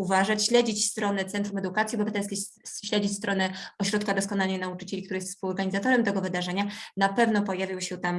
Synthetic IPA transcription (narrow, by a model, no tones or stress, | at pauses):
uvaʐat͡ɕɕlɛd͡ʑit͡ɕst̪ɾɔnɛt̪sɛnt̪ɾumɛd̪ukat̪sʲjibɛbʲat̪ɛt̪skʲeɕlɛd͡ʑist̪ɾɔnɛɔɕɾɔt̪kad̪ɔskɔnalnɛjnaut͡ʂɘ̥t͡ɕɛlʲikt̪uɾɘjɛst̪spuɔɾɡaɲizat̪ɔɾɛmt̪ɛɡɔvɘd̪aʐɛɲanapɛvnɔpɔjavʲiwɕɛt̪am